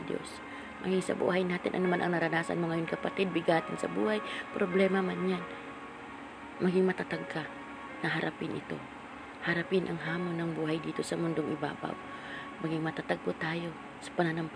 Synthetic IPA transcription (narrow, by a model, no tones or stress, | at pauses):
d̪jo̰s | mʔɐ̰ɡiŋsɐ̰bṵːhajnaːt̪ɪnʔɐ̰nɐmanʔɐŋnɐɾɐnaːsa̰nmoŋɐjonkɐpat̪ɪd̪̚bɪɡaːt̪ɪnsɐ̰bṵːhajpɾoblɛmamanjan | mɐɡɪŋmɐt̪at̪aɡ̚ka | nɐɦaɾʔapɪnʔɪ̰t̪o̞̰ | hɐɾapɪnʔɐŋɦaːmonːɐŋbuːɦajd̪iːt̪o̞sɐmʊnd̪oŋʔɪba̰ːba̰ | mɐɡiŋmɐt̪at̪aɡ̚pot̪aːjo̞ | sɐ̥pɐnanamp